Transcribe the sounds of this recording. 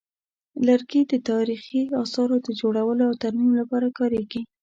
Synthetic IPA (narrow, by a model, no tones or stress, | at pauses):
laɾɡed̪ət̪ɑɾixiɑsɑɾod̪əd͡ʒoɽawəloawt̪aɾmimlapɑɾakɑɾeɡi